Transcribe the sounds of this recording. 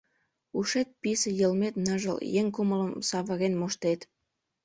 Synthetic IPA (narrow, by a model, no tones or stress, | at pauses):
uʃet̪̚pisejəlmet̪nəʒə̰ljeŋkumələmsɑβəɣenmoʃt̪et̪